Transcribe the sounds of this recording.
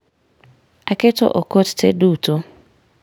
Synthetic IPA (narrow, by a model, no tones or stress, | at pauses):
akɪto̰ʔokottḛduːto